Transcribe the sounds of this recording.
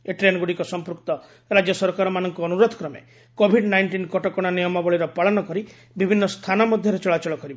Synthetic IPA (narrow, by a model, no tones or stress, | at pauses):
eʈɾenɡuɽikɔsɔmpɾukt̪ɔ | ɾad͡ʒjɔsɔɾkaɾɔmanɔŋkuɔnuɾod̪ʱɔ̥kɾɔmḛ | kobʱiɖnajɳʈinkɔʈɔkɔɽ̃anijɔmɔbɔɭiɾɔpaɭɔnɔkɔɾi | bibʱinːɔst̪ʰanɔmɔd̪ʱjɔɾet͡ʃɔɭat͡ʃɔɭɔkɔɾibɔ